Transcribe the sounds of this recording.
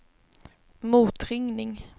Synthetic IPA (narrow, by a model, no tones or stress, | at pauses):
muːt̪ɾʏŋnɪŋ